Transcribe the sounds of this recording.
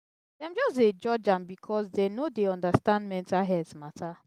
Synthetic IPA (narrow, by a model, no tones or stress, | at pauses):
dɛãmd͡ʒɔsted͡ʒɔd͡ʒãmbikʰɔsdɛnodeɔ̃ndastãndmɛ̃ntalɦɛdsmatʰa